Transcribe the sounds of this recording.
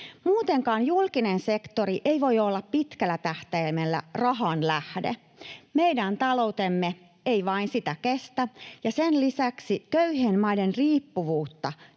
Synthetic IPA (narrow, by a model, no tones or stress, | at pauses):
muːt̪eŋkɑːnjulkinensekt̪oɾiʔeiʋo̞jolːɑppit̪kælːˑæt̪æht̪ejmelːæ̰rɑɦɑnlæhdḛ | meidænt̪ɑlowt̪emːe | eiʋɑinsit̪ækest̪æjɑsenlisæksikøyhenmɑidenriːpːuʋuːt̪ːɑ